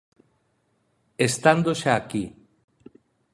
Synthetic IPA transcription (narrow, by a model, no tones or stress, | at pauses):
est̪and̪oʃaːki